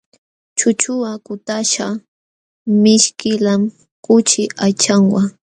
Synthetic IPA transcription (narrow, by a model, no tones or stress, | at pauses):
t͡ʃʊt͡ʃʊakʊt̪aʃa | mɪʃkɪlam | kʊt͡ʃɪʔajt͡ʃaŋwa